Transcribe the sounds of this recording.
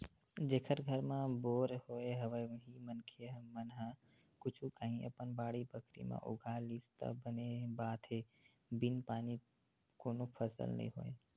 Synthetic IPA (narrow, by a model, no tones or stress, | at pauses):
d͡ʒeːkʰəɾɡʱəɾmãboːɾhoeɦəʋəɦimənkʰeəmənɦa | kʊt͡ʃʰukaɦĩʔə̰pənbaːɽibəkɾḭmã̰ʔʊ̰ɡaliːst̪ə̰bənebaːt̪ɦe | binpaːni | koːnopʰəsə̰lnə̰ḭ̃ɦoe